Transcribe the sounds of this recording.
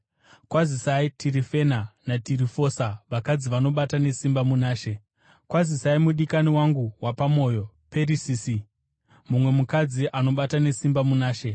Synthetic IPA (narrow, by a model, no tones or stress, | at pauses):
kwazisaitʰiɾife̞nanatiɾifo̞saʋakad͡ziʋano̞ɓatane̞simbamunaːʃe̞ | kwazisaimuɗikaniwaŋɡuwapamo̞ːjo̞ | pe̞ɾisiːsi | mumwe̞mukad͡ziʔano̞ɓatane̞simbamunaːʃe̞